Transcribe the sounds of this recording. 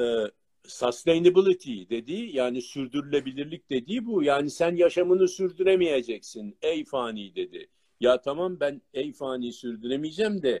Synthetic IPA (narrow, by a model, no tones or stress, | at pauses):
ɛ | sast̪ejnibɯlˠit̪ʰid̪e̞d̪ijaːnisyɾd̪yɾylʲebilʲiɾlʲic̚d̪e̞d̪iːbujaːnisænjaʃamɯnɯsyɾd̪yɾemije̞d͡ʒɛcsinɛjfaːniːd̪e̞d̪ɪ̰ | jaːt̪ʰamambænɛjfaːniːsyɾd̪yɾemijd͡ʒɛmd̪ɛ